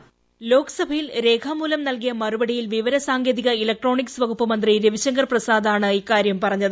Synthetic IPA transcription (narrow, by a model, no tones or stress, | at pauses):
lo̞ːkɐ̥sɐbʱɐjilɾe̞ːkʰaːmuːlɐmnɐlk̬ijɐmɐrubɐɽijilʋiʋɐɾɐsaːŋɡeːðiɣɐilɐk̚ʈro̞ːɳiksʋɐɡupːɐmɐnd̪riɾeʋiɕɐŋɡɐrprɐsaːd̪aːɳɨiːkːaːɾjɐmpɐrɐɲːɐðɨ